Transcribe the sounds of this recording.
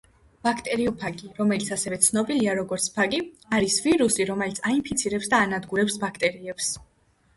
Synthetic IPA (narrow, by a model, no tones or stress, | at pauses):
b̥akʰt̪ʼɛɾiɔpʰaɡʼiɾɔmɛlit̪sʰasɛvɛt̪sʰnɔbiliaɾɔɡɔɾt̪sʰpʰaɡʼi | aɾisviɾusiɾɔmɛlit̪sʰaimpʰit̪sʰiɾɛpsd̪aːnad̪ɡuɾɛpsbakʰt̪ʼɛɾiɛps